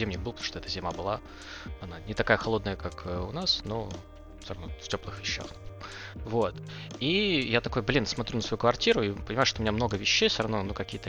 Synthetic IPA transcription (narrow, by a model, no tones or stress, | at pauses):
zʲemnʲɪk̚bɨpt̪mo̥ʂt̪ɔɛt̪əzʲɪmabɨlˠa | ɐnanʲɪt̪ɐkajəxɐlˠo̞d̪nəjəkakəʊnasno | sʲrɐvnoftʲo̞plˠɨxvʲɪɕːa̰x | vot̪ijat̪ɐko̞jblʲinsmɐt̪ɾʲunəsvɐjukvɐrtʲiɾʊipənʲɪmajʊʂt̪oʊmʲɪnʲamno̞ɡəvʲɪɕːejsʲɾɐvnonukɐkʲijət̪ə